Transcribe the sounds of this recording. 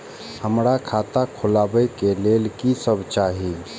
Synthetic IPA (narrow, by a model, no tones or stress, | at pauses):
həmɾakʰat̪akʰolabəjkelelkisəbt͡ʃaɦi